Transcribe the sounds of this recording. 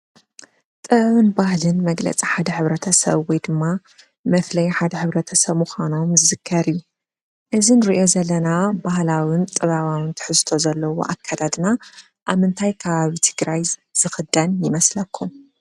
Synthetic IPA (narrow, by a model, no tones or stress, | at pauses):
t̪ʼɨββɨnbahlɨnmɐɡlɐ̰t͡sʼiħad̪ɐħɨβɾɐt̪ʰɐsɐ̰βwɔjd̪ɨmːa | mɐflɐjħad̪ɐħɨβɾɐt̪ʰɐsɐβmuxʷano̞mzɨzɨkʰːɐɾiju | ʔɨzinɨɾiʔjo̞zɐlːɐnabahlawɪnt̪ʼɨβaβawɨnt̪ʰɨ̥ħɨzt̪ʰo̞zɐlːɐwo̰ʔa̰kʰːad̪ʰad̪na | ʔaβmɨnt̪ʰajkʰaβaβit̪ʰɨ̥ɡɾajz̥ɨxɨd̪ɐnjɪmɐslɐkʰːum